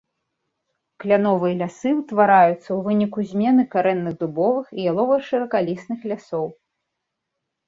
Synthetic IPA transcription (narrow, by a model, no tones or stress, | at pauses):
klʲanɔvɨjɐlʲasɨwt̪vaɾajut̪sːɐwvɨnʲikuzʲmʲɛnɨkaɾɛnːɨɣd̪ubɔvɨxijalˠɔvɐʂɨɾɐkalʲisnɨxlʲasɔw